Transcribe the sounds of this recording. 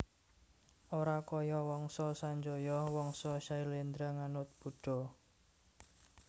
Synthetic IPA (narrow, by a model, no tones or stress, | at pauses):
ʔoɾakɔjɔwɔŋsɔsaɲd͡ʒɔjɔhwɔŋsɔʃailend̪ɾaŋanʊt̪̚b̥ṳɖ̥ɔ̤